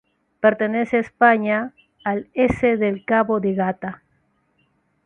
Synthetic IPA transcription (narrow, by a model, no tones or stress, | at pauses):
peɾt̪eneseespaɲaː | leseðelkaβoðeɣat̪a